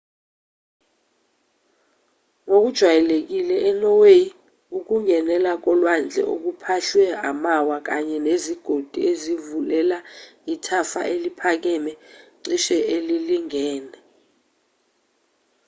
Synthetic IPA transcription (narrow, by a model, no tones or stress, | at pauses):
ŋok̬ud̥ʒ̥ʱwajɛlek̬ilɛʔɛnɔwe | uk̬uŋɛnɛlak̬ɔlwand͡ɮʱɛ̰ʔo̰k̬upʰaɬwɛamawak̬aɲɛneziɡ̥ʱod̥ʱiezivulɛlaitʰafa̰ʔelipʰak̬ɛmɛǀiʃɛʔeliliŋɛːnɛ